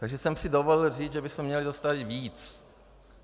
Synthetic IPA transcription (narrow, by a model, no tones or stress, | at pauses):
t̪aɡʒɛsɛmsɪdovolɪlr̝iːd͡zʒɛbɪsmɛmɲɛlɪzost̪avɪt̪viːt͡s